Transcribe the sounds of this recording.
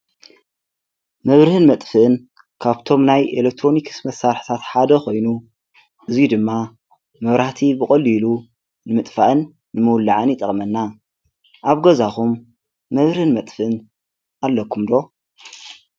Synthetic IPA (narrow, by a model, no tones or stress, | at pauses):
mɨβɾɨhɨnmɐt̪ʼfɨʔɨn | kʰaβt̪ʰo̞mnajelek̚t̪ʰɾo̞nikʰɨ̥smɐsaɾħi̥t̪ʰat̪ħad̪ɐxo̞jnu | ʔɨzjud̪ɨmːa | mɐβɾaht̪ʰibɨkʼɐlːilu | nɨmɨt̪ʼfaʔɨnː | ɨmɨwlːaʕɨnjɪt̪ʼɐχʼmɐnːa | ʔaβɡɐzaxumː | ɐβɾɨhɨnmɐt̪ʼfɨʔɨn | ʔalːɐkʰumd̪o̞